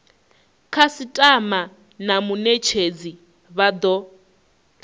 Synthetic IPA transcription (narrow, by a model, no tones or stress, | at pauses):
kʰasitʼama | namunet͡ʃʰed͡zi | βad̪ɔ